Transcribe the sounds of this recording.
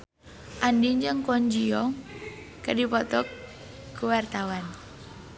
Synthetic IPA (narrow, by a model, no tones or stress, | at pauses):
ʔandiɲd͡ʒəŋkɔɲd͡ʒiɔŋ | kadipɔt̪ɔkː | uwart̪awan